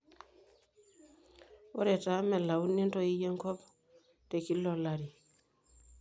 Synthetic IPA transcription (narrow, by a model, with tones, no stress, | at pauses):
wo˦ɾe˨ta˨me˨la˨wu˦ni˦nto˦i˦je˦ŋko˦p | te˨ki˦lːolaɾi˨